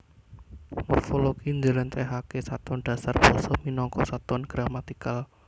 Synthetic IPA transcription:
murfolokiɲd͡ʒəlant̪ɛɦakesat̪ɔnɖ̥a̤sarb̥ɔsɔhminɔŋkɔsat̪ɔnɡ̥ɾamat̪ikal

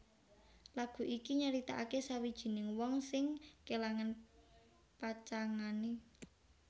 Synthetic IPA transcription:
laɡ̥ṳʔikiɲəɾit̪aʔakesawid̥ʒ̥i̤nɪŋwɔŋsɪŋkelaŋan | pat͡ʃaŋane

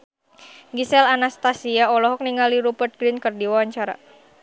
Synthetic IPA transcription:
ɡisɛlanast̪asiaɔlɔɦɔk̚niŋaliɾupərt̪̚ɡɾinkərdiwawaɲt͡ʃaɾa̰

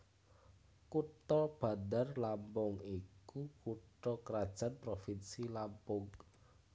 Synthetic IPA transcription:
kuʈɔb̥a̤nd̪arlampɔŋikukuʈɔkəɾad̥ʒ̥a̤npɾofinsilampʊŋ

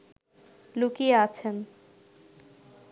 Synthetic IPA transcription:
lukieat͡ɕʰen

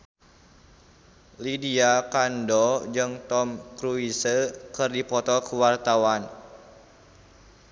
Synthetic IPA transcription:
lidiakandɔd͡ʒɨŋt̪ɔmkɾuisəkɨrdipɔt̪ɔkəwart̪awan

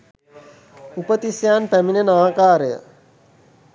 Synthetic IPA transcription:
upət̪isjaːnpæminənaːkaːɾəjə̰

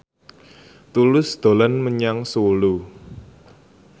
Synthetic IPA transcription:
t̪ulʊsd̪̥o̤lanməɲaŋsolu

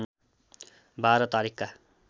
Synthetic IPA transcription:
baːɾʌt̪aɾikka

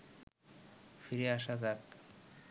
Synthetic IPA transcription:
fiɾiaʃazak

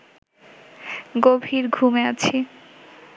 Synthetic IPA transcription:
ɡobʱiɾɡʱumeat͡ɕʰi

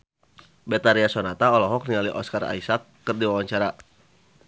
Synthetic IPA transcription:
bɛt̪aɾiasɔnat̪aɔlɔɦɔk̚niŋaliʔɔ̰skara̰isakːərdiwawaɲt͡ʃaɾa

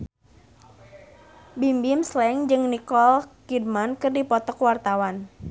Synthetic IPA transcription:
bimbimslɛŋd͡ʒɨŋnikɔlkidmankɨrdipɔt̪ɔkwart̪awan

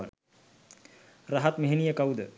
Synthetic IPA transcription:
a̰ | raɦat̪meɦenijəkawd̪ə

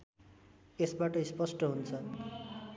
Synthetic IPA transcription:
esbaʈʌispʌsʈʌɦunt͡sʰʌn

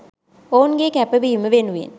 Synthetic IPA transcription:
ounɡeːkæpəʋiːməʋenuʋḛn

